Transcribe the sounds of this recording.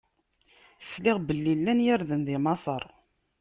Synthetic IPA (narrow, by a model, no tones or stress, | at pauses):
slɪʁbəlːilːænjaɾðənðimɑsˤəɾˤ